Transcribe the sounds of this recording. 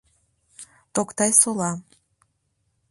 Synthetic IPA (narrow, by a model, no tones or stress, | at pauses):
t̪okt̪ɑjsolɑ